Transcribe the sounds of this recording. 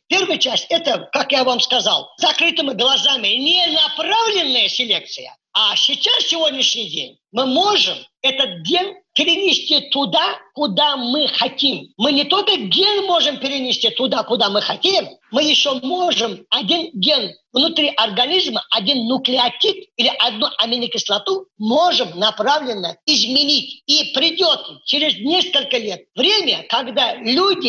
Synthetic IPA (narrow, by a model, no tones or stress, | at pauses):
pʲe̞rvɨjt͡ɕasʲtʲɛt̪əkakjavamskɐza̰lˠzɐkɾɨt̪ɨmʲɪɡlˠɐzamʲɪnʲenɐpravlʲɪnːəjəsʲɪlʲek̚t̪sɨjə̰ | asʲɪt͡ɕassʲɪvo̞dʲnʲɪʂnʲɪjdʲḛnʲ | mɨmo̞ʐɨmɛt̪ət̪̚ɡʲenʲpʲɪɾʲɪnʲɪsʲtʲit̪ʊd̪akʊd̪amɨxɐt̪ʲimːɨnʲɪt̪o̞lʲkəɡʲe̞nmo̞ʐɨmpʲɪɾʲɪnʲɪsʲt̪ʲit̪ʊd̪akʊd̪amɨxɐtʲejɪmmɨjɪɕːomo̞ʐɨmɐdʲinɡʲe̞nvnʊt̪ɾʲiʔɐrɡɐnʲizməʔɐdʲinːʊklʲɪɐtʲit̪ilʲɪʔɐd̪̚nuʔɐmʲɪnʲɪkʲɪslˠɐt̪umo̞ʐɨmnɐpravlʲɪnːəɪzmʲɪnʲitʲipɾʲɪdʲo̞t̪t͡ʃeɾʲɪznʲeskəlʲkəlʲe̞t̪̚vɾʲemʲəkɐɡd̪alʲudʲɪ